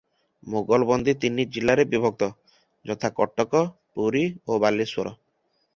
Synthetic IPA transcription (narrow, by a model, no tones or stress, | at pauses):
moɡɔlbɔnd̪ʱit̪inːid͡ʒilːaɾebibʱɔk̚t̪ɔ | d͡ʒɔt̪ʰakɔʈːɔkɔpuɾiobaliswoɾɔ